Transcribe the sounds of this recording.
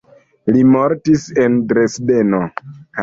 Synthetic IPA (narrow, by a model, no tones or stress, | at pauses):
limoɾtise̞ndɾesde̞no